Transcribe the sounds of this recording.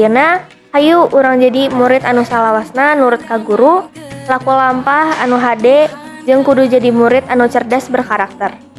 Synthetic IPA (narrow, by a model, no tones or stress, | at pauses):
əna | hajuːɾaŋd͡ʒadimuɾɪt̪anusalawasnanuɾʊt̪̚kaɡuɾulakulampahanuɦadɛ | d͡ʒɨŋkudud͡ʒadimuɾɪt̪anut͡ʃərdasbərkaɾak̚t̪ər